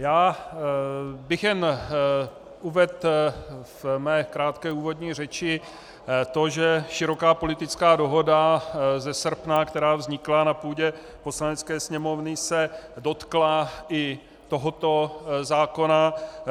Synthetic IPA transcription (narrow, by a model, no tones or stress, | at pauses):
jaː | bɪxjɛn | ʔuvɛt̪ | vmɛːkɾaːt̪kɛːuːvo̞dɲiːr̝ɛt͡ʃɪ | t̪o̞ʒɛʃɪɾo̞kaːpo̞lɪt̪ɪt͡skaːdo̞ɦo̞dazɛsr̩pnakt̪ɛɾaːvzɲɪklanapuːɟɛ | po̞slanɛt͡skɛːsɲɛmo̞vnɪsɛdo̞t̪klaɪ | t̪o̞ɦot̪o̞zaːko̞na